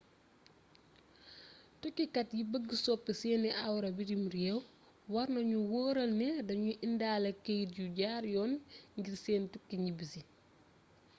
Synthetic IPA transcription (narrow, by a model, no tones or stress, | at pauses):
tukːikɐtjibəɡːisɔpːisɛːnːɛʔawɾɐbidimɾjɛw | wɐrnɐɲuwoːɾɐlnɛdɐɲuʔindaːlɐkejtɟuɟaːɾjɔːnŋɡiɾseːntukːiɲibisi